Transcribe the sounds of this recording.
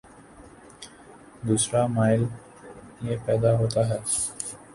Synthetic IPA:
d̪uːsɾaːmaːɪl | jeːpɛːd̪aːɦoːt̪aːɦɛː

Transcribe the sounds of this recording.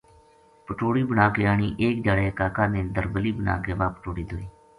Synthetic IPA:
pəʈoːɽiːbənaːkeːaːɳiːʔeːk̚d͡ʒaːɽeːkaːkaːnẽːd̪əɾbəliːbəna̰ːkeːʋaːpə̥ʈoːɽiːd̪oːiː

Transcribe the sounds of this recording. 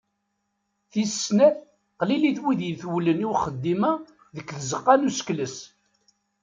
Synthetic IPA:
θisːnæθ | qliliθwiðjəθwləniwχəd̪ːimæ | ðəkːθəzəqːɑnuskləs

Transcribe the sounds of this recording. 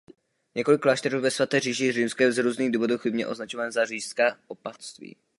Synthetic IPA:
ɲɛko̞lɪklaːʃt̪ɛɾuːvɛsvat̪ɛːriːʒɪjɛrimskɛzɾuːzniːɣduːvo̞d̪uwxɪbɲɛ̰ʔo̞znat͡ʃovaːnzariːʃskaːʔopast̪vḭː

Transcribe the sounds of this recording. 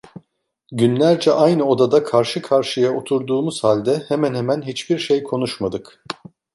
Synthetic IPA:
ɟynlʲæɾd͡ʒɛʔajnɯo̞d̪ad̪akʰaɾʃɯkʰaɾʃɯjao̞t̪ʰuɾd̪uːmuz̥halʲd̪ɛhemænhemænɦit͡ʃbiɾʃejkʰo̞n̪uʃmad̪ɯk

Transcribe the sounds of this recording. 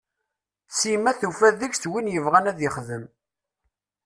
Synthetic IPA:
simæθufæðəɡθwinjəvʁænæðjəχðəm

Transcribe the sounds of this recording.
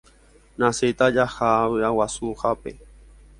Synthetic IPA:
naset̪ajaxawawasuxapḛ

